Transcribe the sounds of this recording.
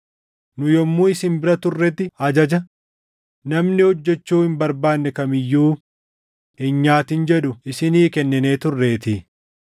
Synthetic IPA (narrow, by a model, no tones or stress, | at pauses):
nʊjɔmːuːɪsɪmbɪɾɐt̪ʊrːɛt̪ːɪɐd͡ʒɐd͡ʒɐ | nɐmnɪhɔd͡ʒːɛt͡ʃːuːhɪmbɐɾbaːnːɛkɐmɪjːuː | hɪɲɲaːt̪ɪnd͡ʒɛᶑʊɪsɪniːkɛnːɪne̞ːt̪ʊrːe̞ːt̪ɪ